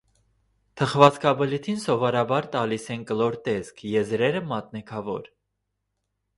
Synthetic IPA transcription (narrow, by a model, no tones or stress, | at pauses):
t̪ʰəχvɑt͡skʰɑbəlit̪ʰinsɔvɔɾɑbɑɾt̪ɑlisɛnkəlɔɾt̪ɛskʰjɛzɾɛɾəmɑt̪nɛkʰɑvɔ̰ɾ